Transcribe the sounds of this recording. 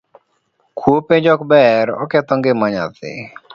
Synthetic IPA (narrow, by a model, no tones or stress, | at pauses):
kʰwopeɲd͡ʒɔkbɛɾɔ̰kɛt̪ɔŋɡɪmaɲa̰t̪ɪ̰